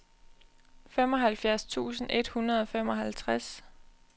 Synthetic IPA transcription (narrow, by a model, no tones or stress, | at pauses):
fem̰ɒ̽ɦælfjæɐst͡sʰṵːsn̩ʔe̝d̥hunɐð̞ˠɒ̽fem̰ɒ̽ɦælt͡sʰʁas